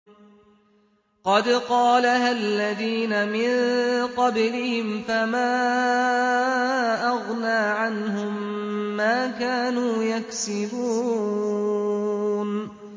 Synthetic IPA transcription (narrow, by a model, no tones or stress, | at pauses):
qɑd̪qɑːlahalːaðiːnamɪnqɑblɪhɪmfamaː | ʔɑɣnaːʕanɦʊmːaːkaːnuːjaksɪbuː | n